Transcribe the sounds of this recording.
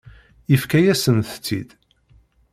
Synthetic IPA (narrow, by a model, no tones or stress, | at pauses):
ifkæjæsənθə̥t͡sːḭd̪̥